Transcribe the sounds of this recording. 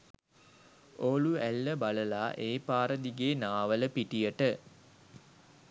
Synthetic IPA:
oːluælːəbaləlaːʔeːpaːɾəd̪iɡeːnaːʋələpiʈijəʈə

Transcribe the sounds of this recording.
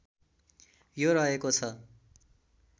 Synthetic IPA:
joɾʌɦekot͡sʰʌ

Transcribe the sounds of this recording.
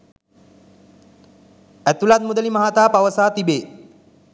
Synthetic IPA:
æt̪ulad̪̚mud̪əlimaɦat̪aːpaʋəsaːt̪ibeː

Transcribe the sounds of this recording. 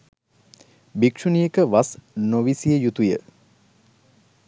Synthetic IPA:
bikʂunijekəʋasnoʋisijəjut̪ujə

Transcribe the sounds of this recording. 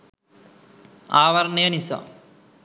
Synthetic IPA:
aːʋɐɾneːnisa̰

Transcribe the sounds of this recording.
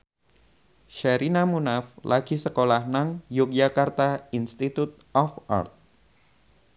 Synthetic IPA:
ʃɛɾinamunaflʔaɡisəkolahnaŋjuk̚d͡ʒakart̪ainst̪it̪ut̪̚ɔfa̰rt̪̚

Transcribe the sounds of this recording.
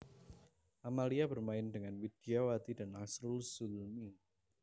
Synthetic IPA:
ʔamaliabərmaɪndəŋanwid̥iawat̪idanʔasɾʊlsulmi

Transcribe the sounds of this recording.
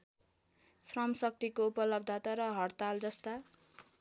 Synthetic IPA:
srʌmsʌk̚t̪ikoupʌlʌb̚d̪ʱat̪aɾʌɦʌrt̪ald͡zʌst̪a

